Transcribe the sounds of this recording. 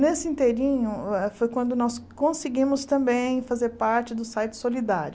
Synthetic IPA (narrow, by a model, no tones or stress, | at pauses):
nesɪĩnt̪eɾĩɲʊɛfojkwɐ̃nd̪ʊnɔskõsɪɡĩmʊst̪ɐ̃mbẽj̃fazeɾpaɾt͡ʃɪd̪ʊsajt͡ʃɪ̥solid̪a̰ɾjʊ